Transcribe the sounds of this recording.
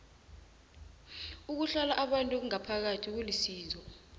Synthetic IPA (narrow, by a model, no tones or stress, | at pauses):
uk̬uɬalaʔaɓantʼuk̬uŋapʰak̬atʰik̬ulisiːzɔ